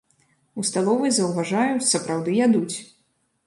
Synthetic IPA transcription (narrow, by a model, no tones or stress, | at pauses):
ust̪alˠɔvɨjzɐwvaʐajusɐpɾawd̪ɨjad̪ut͡sʲ